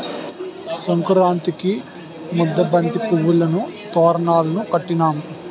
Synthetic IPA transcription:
sɐŋkɾaːnt̪iki | mud̪ːɐbɐnt̪ipuʋːulɐnut̪ɔːɾɐnaːlɐnukɐʈːinaːmu

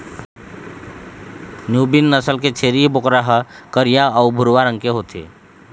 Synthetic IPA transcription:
njuːbinːəsəlket͡ʃʰeːɾibʊkɾaɦəkəɾjaəʊbʱʊɾʋaɾə̃ŋkeɦoːt̪ʰḛː

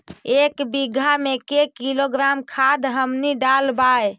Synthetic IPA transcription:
ekbiɡʱamekekiloɡɾamkʰad̪ɦəmniɖalbaj

